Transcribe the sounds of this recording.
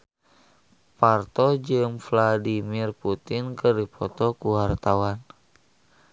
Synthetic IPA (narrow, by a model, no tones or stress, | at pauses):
part̪ɔd͡ʒɨmfladimirput̪inkərdipɔt̪ɔkuwart̪awan